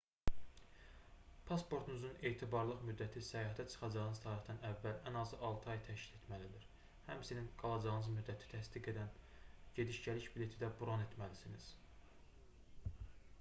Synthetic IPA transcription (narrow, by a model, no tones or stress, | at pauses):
pʰɑspo̞ɾt̪ʰunuzune̞ːt̪ʰibɑɾlˠɯχmyd̪ːæt̪ʰisæjɑɦæt̪ʰæt͡ʃʰɯ̥χɑd͡ʒɑʁɯnɯz̥t̪ʰɑːɾiχd̪ɑnævːælænɑzɯʔɑlˠt̪ʰɯɑjt̪ʰæʃci̥le̞t̪mælid̪iɾ | hæmsininɡ̥ɑlˠɑd͡ʒɑʁɯnɯzmyd̪ːæt̪ʰi̥t̪ʰæsd̪iɡe̞d̪æn | ɟe̞d̪iʃɟælicbile̞t̪ʰid̪æbuɾɑne̞t̪ʰmælisiniz̥